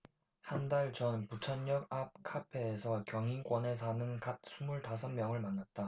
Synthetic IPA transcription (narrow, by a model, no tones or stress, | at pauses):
handaɭt͡ɕʌnput͡ɕʰʌɲːʌɡ̚ap̚kʰapʰe̞ːsʰʌkjʌŋink͈wʌne̞s̬ʰanɯnkat̚s͈ʰumuɭtasʰʌnmjʌŋɯɭmanːat̚t͈a